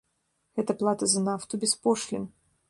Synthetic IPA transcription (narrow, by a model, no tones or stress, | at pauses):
ɛt̪əplˠat̪əzɐnaft̪ʊbʲɪspoʂlʲɪ̰n